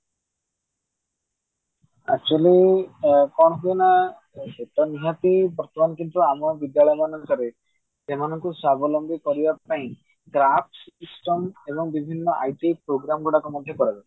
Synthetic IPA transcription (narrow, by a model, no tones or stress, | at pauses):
a̰k̚t͡ʃuali | kɔɳ̃ɔɦuena | eʈɔniɦat̪ibɔɾt̪ɔmankint̪ɾɔamɔbid̪jaɭɔjɔmanɔŋsaɾe | semanɔŋkusabɔlɔmbikɔɾibapaĩ | ɡɾap̚sisʈɔmebɔŋbibʱinːɔʔa̰jʈipɾoɡɾamɡuɽakumɔd̪ʱjɔkɔɾad͡ʒa